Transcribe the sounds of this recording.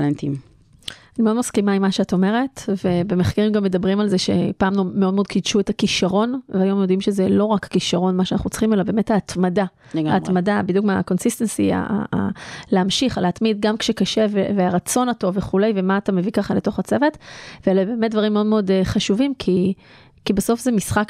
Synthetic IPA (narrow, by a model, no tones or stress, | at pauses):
lentim | animeodmaskimaimːaʃeato̞me̞ʁe̞tve̞be̞meχkeʁimɡamːed̪abʁimalzeʃe̞̰paːmnomeodmod̪kidʃue̞takiʃaʁo̞nveajo̞mjo̞dimʃezelo̞ʁakːiʃaʁo̞nmaʃeanaχnut͡sχimelabe̞ːme̞thaːtmada | aːt̪madabid̪jukmeaa̰ko̞nsist̪ensḭa̰a̰a̰leamʃiχaleatmid̪̚ɡamkʃekaʃe̞veveaʁat͡so̞nato̞veχule̞jvemaːtame̞vikaχaleto̞χat͡se̞ve̞tvelebe̞ːmetd̪vaʁimeodmeodχaʃuvimkʰi | kibeaso̞fzemisχak